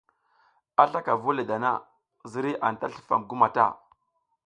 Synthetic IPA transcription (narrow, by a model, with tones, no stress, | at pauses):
a˦ɬa˦ka˨vu˦le˨da˨na̰˦ | zi˦ɾi˦ʔa˨n˨ta˦ɬi̥˨fa̰˨mɡu˦ma˨ta̰˦˨